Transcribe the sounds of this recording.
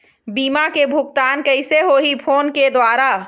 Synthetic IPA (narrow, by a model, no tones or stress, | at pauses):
biːmakebʱʊk̚t̪aːnkəɪseɦoːɦipʰoːnked̪waːɾa